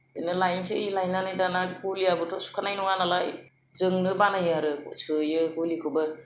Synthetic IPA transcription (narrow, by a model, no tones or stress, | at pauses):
dɯnɯlajnseilajnanɯjdanaɡuliabɯtʰɔsu̥kʰanajnɔŋanalaj | zɯŋnɯbanajaɾɯkṵt͡ʃʰɯjɯɡulikʰɯbɯ